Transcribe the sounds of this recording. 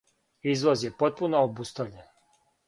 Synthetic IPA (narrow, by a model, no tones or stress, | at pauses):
izʋozjepot̪̚punoobust̪aʋʎen